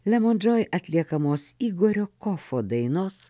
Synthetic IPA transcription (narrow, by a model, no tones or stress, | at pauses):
lʲɛmonʲd͡ʒoːjʔɐt̪ʲlʲiɛkɐmoːsiːɡoɾʲoːkɔfoːd̪ɐɪnoːs